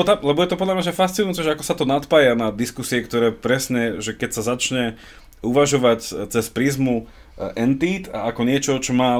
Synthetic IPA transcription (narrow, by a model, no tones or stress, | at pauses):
t̪alɛbɔjɛt̪ɔpɔd̪lamɲaʒafast̪t͡sinujut͡sɛʒɛakɔ̥sat̪ɔnat̪pajanad̪iskusiɛkt̪ɔɾɛːpɾɛsɲɛʒɛkɛcsazat͡ʃɲɛ | uʋaʒɔʋact͡sɛspɾiːzmu | ʔɛnt̪iːt̪a̰akɔɲɪɛt͡ʃɔt͡ʃɔmaː